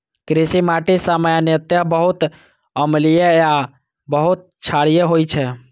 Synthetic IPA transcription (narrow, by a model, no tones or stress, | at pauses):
kɾesimaʈisaməjanjət̪jəbəɦut̪ | əmlijeja | bəɦut̪̚t͡ʃʰaɽijeɦojt͡ʃʰɛ